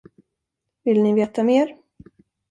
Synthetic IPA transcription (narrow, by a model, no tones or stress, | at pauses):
vɪlnɪveːt̪ameːɾ